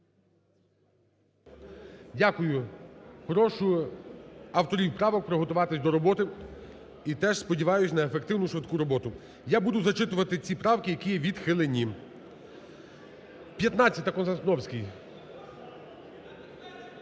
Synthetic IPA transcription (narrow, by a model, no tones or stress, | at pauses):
dʲakʊjʊxɔɾɔʃʊ | ɐwt̪ɔɾʲiwpɾɑʋɔk̚pɾɪɦɔt̪ʊʋɑt̪ɪsʲd̪ɔɾɔbɔt̪ɪ | it̪ɛʒspɔdʲiʋɑjʊsʲnɐefekt̪ɪwnʊʃʋɪt̪kuɾɔbɔt̪ʊ | jabud̪ʊzɐt͡ʃɪt̪ʊʋɐt̪ɪt͡sʲipɾɑwkɪjɐkʲijɛʋʲid̪xɪlˠenʲːi | pʲjɐt̪nɑt͡sʲjɐt̪ʲɐkɔnzɐsnɔwsʲkʲij